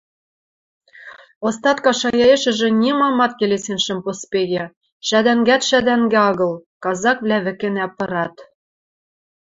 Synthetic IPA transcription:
ost̪ɑt̪kɑʃɑjɑeʃɘ̆ʒɘ̆nʲimɑmɑt̪̚kelesenʃɘ̆mpospeɣĕ | ʃæd̪æŋɡæt̪ʃæd̪æŋɡĕɑɣɤ̆lˠkɑzɑkβlʲæβɘ̆kĕnæpɤ̆ɾɑt̪

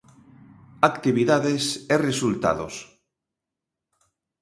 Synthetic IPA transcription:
akt̪iβiðaðesɛresult̪a̰ðo̰s

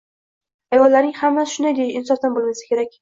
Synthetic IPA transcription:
ajɒllːaɾnɪŋʲhamːasʃʊnajd̪ejɪnsɒft̪anbolmasḁkʲʰe̞ɾak̚ʲ

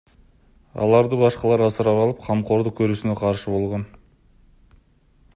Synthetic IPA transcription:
ɑ̰lˠɑɾd̪əbɑʃqɑlˠɑɾɑsəɾɑpɑlˠəp̚qʰɑmqo̞ɾd̪əkʲʰɵɾesɪneqʰɑɾʃəbo̞lˠʁɑn

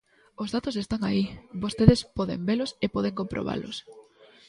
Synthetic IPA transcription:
ozðat̪osest̪aŋaibost̪eðespɔðḛmbelʊsepɔð̞eŋkompɾʔo̰β̞a̰lʊ̰s

